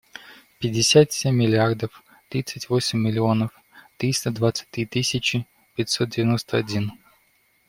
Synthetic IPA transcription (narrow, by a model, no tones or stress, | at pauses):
pʲɪdʲːɪsʲat̪sʲemʲːɪlʲɪard̪əf | t̪ɾʲit̪sɨtʲvosʲɪmʲːɪlʲɪo̞nəf | t̪ɾʲist̪əd̪vat̪sɨ̥t̚ʲt̪ɾʲit̪isʲɪt͡ɕɪ | pʲɪtʲsot̪̚dʲɪvʲɪno̞st̪əɐdʲin